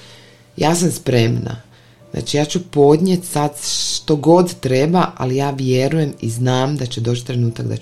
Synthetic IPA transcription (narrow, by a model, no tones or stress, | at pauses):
jaːsamspɾemna̰ | znʔa̰ːt͡ʃijaːt͡ɕupo̞d̪ɲe̞t̪sad̪ʃt̪o̞ɡo̞d̪t̪ɾebaʔa̰lijaːʋje̞ɾuje̞miznaːmd̪at͡ɕe̞d̪ot͡ʃt̪ɾe̞nuːt̪aɡd̪a̰